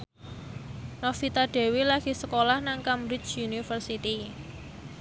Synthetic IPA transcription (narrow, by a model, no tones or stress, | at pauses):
nɔfit̪aɖ̥e̤wilaɡ̥i̤səkolahnaŋkamɾɪt͡ʃjunifərsit̪i